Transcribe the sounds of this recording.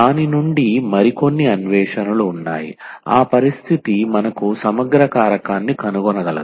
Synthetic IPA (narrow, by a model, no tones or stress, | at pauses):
aːninuɳɖimɐɾiko̞nːiɐnʋɛːʂɐnɐluːnːa̰ːjḭa̰ːpɐɾist̪ʰit̪imɐnɐkusɐmɐɡɾɐkaːɾɐkaːnːikɐnuɡɔnɐɡɐlɐ̰d̪u